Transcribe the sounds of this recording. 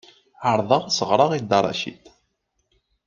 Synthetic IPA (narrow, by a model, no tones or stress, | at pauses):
əɾˤðˤɑʁsəʁɾˤɑʁid̪ɑrˤɑ̰ʃḭt̪